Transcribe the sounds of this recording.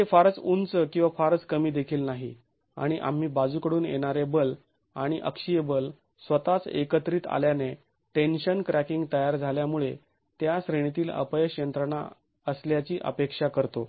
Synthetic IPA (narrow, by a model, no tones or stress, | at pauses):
efaɾt͡sunt͡səkĩw̃ʋafaɾt͡skəmiːd̪ekʰiːlnaɦḭ | a̰ɽ̃iʔa̰m̤iːbad͡zukəɽuːnjḛɽ̃aɾebəl | aɽ̃iʔə̰kʂijebəl | sʋət̪at͡sḛkət̪ɾiːt̪a̰ljane | ʈenɕənkɾækiŋɡt̪əjaɾd͡zʱaljamuɭe | t̪jasɾeɳ̃it̪iːlə̰pəjəɕjənt̪ɾəɳa̰ | əsljat͡ɕiːʔə̰pekʂakəɾt̪o